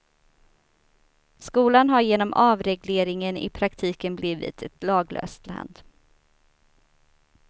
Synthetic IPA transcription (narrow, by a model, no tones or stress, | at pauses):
skuːlanɦaɾjeːnɔmʔɑːvɾɛɡleːɾɪŋənɪ̰pʰɾakt̪ʰiːkənbliːvɪ̰t̪ʰɛt̪lɑːɡlʔø̰ːst̪la̰nd̪